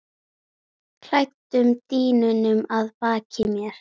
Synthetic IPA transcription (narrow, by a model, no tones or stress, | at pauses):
kʰl̥ajt̪ʏmt̪iːnʏnʏmaðpaːcʰɪmjɛɾ̥